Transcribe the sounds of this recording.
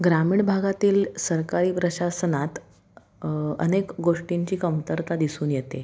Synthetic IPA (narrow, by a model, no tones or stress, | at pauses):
ɡɾamiːɳbʱaɡat̪iːlsəɾkaɾiːpɾəɕasənat̪ | ə̰nekɡoʂʈiɲt͡ɕiːkəmt̪əɾt̪ad̪isuːnjet̪e